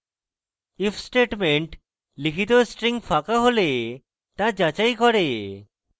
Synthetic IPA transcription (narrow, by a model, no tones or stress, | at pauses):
ipʰsʈeʈmeɳʈ | likʰit̪osʈɾiŋpʰakaɦole | t̪ad͡ʑat͡ʃajkɔɾe